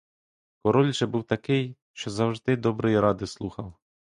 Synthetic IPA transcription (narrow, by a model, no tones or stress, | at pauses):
kɔɾɔlʲʒɛbuwt̪ɐkɪj | ʃt͡ʃɔzɐwʒd̪ɪd̪ɔbɾɔjiɾɑd̪ɪslˠuxɐw